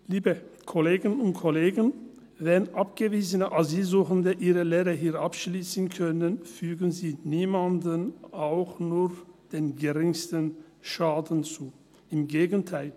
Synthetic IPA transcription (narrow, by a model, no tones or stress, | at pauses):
liːbəkʰoleːɡənʊntkʰoleːɡən | vɛnʔapɡ̥əviːzənəʔaziːlzuːχəndəʔiːʁəleːʁəɦiːɐʔapʃliːsən̩kʰœnənfyːɡən̩ziːniːmandənaʊxnuːd̥eːnɡəʁɪŋstən | ʃaːdn̩t͡suː | ɪmɡeːɡən̩tʰaɪl